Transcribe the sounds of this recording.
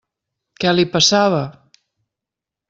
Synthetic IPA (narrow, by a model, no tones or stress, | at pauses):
kɛlipəsaβə